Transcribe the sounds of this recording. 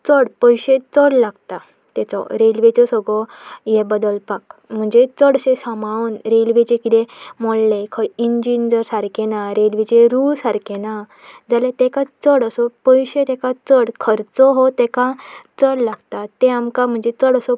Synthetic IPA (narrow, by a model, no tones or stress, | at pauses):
t͡səɽpəjɕet͡səɽlaɡt̪a | t̪ɛt͡sɔ̰ɾelʋet͡sɔsɔɡɭɔjɛbəd̪əlpakm̤əɳd͡zet͡səɽsesəmaənɾelʋet͡ɕekit̪ẽmoɭlekʰəjind͡ʑind͡zəɾsaɾkenaɾelʋit͡ɕeɾuɭsaɾkena | d͡zalet̪ekat͡səɽəsɔpəjɕet̪ekat͡səɽkʰəɾt͡sɔɦot̪ekat͡səɽlaɡt̪at̪eamkam̤əɳd͡zet͡səɽəsɔ